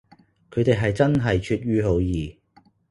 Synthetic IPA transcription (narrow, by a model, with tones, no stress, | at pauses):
kʰɵ˨˧ɥt̪e˨jɦɐ˨jt͡sɐ˥nɦɐ˨jt͡ʃʰyː˧t̚ɥyː˧ɦo˨˧˥wjiː˨˩